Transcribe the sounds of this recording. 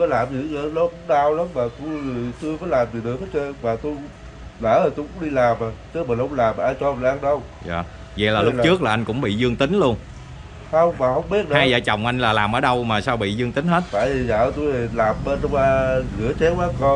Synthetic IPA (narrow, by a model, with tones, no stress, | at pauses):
faː˨˦jlaː˨˩mzi˨˩ɣə˧˨˦lo˨˦kʊ̰˧˥ŋ͡mɗaː˧wla˨˦mmaː˨˩t̪u˧jt̪u˧jfaː˨˦jlaː˨˩mzi˨˩ɗɨ˨˩ək̚əː˨˦t͡ɕe˧maː˨˩t̪u˧j | ləː˧˥ə˨˩t̪u˧jkʊ̰˧˥ŋ͡mɗi˧laː˨˩maː˨˩t͡ɕɨ˦˥maː˨˩nhʊ˧˦wŋ͡mlaː˨˩m˨ʔaː˧jt͡ɕɔ˧˨˩ʔaː˧ŋɗə˧w | za̰ː˧˨˩ | ɣɛ̰˧˩˦laː˨˩lʊ˦˥˨t͡ɕɨ˦˥ək̚laː˨˩ʔa˧jŋ̟kʊ̰˧˥ŋ͡mɓḭ˧˨zɨ˧əŋt̪ï˨˦ŋ̟lu˧ən | hə˧wŋ͡mmaː˨˩hə˧wŋ͡mɓi˦˥ət̚ɗɨhaː˧˨zaː˧˩jt͡ɕə˨˩wŋ͡mʔa˧jŋ̟laː˨˩laː˨˩mʔəː˨˩˦ɗə˧wmaː˨˩saː˧wɓḭ˧˨zɨ˧əŋt̪ï˨˦ŋ̟he˦˥t̚t̪a̰ː˧˨ji˨˩zə̰ː˧˨˩t̪u˧jlaː˨˩mɓe˧n˧waː˧ɣɨ̰˧˦ət͡ɕɛ˨˦waː˨˦kɔ˧